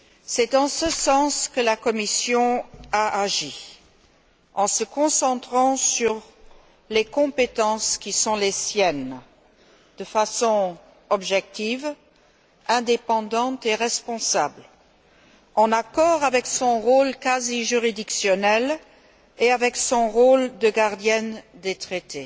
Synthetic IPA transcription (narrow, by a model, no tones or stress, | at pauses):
sɛd̪ɑ̃səsɑ̃skəlakɔmisjɔ̃aʔaʒi | ɑ̃səkɔ̃sɑ̃t̪χɑ̃syʁ | lekɔ̃pet̪ɑ̃skʲisɔ̃lesjɛn | d̪̥əfasɔ̃ | ɔbʒɛk̚t̪iv | ɛ̃d̪epɑ̃d̪ɑ̃t̪eʁɛspɔ̃sabl | ɑ̃nakɔʁavɛksɔ̃ʁolkaziʒyʁid̪iksjɔnɛl | eavɛksɔ̃ʁold̪əɡaʁd̪jɛnd̪et̪χet̪e